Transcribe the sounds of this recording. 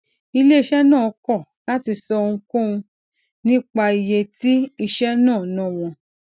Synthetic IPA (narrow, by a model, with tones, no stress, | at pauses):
i˧le˦i˧ʃɛ˦nãː˦˨ɔ˨˧˦kɔ˦˨la˦ti˧sɔ˧ŋũ˧kõ˦ũ˧ | nĩ˦k͡pa˧i˧je˧ti˦i˧ʃɛ˦nãː˦˨˦nã˦˨w̃ɔ̃˧